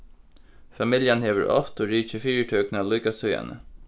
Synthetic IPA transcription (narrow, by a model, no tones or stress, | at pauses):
fɑmɪljanheːʋə̰ɾʔɔ̰ft̪oːɹiːçəfyːəʈʰœːknalɔːkasœʏa̰nə̰